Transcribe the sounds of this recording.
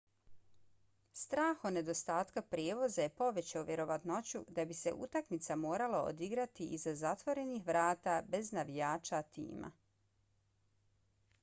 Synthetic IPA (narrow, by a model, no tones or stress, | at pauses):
st̪ɾaːxone̞d̪o̞st̪aːt̪kapɾjeːʋo̞zajepo̞ʋe̞t͡ɕeuʋje̞ɾo̞ʋat̪no̞t͡ɕud̪abise̞̰ʔṵt̪akmit̪samoːɾalao̰d̪iɡɾat̪iʔizazat̪ʋo̞ɾe̞nixʋɾaːt̪abe̞znaʋijaːt͡ʃat̪ḭːma̰